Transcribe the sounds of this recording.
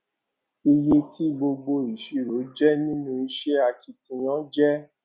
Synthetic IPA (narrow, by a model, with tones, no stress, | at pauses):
i˧je˧ti˦ɡ͡bo˧ɡ͡bo˧i˨ʃi˧˨ɾo˨˦d͡ʒɛ˦nĩ˦nũ˦i˧ʃe˦a˧ti˧tĩ˧j̃ɔ̃˦d͡ʒɛ˦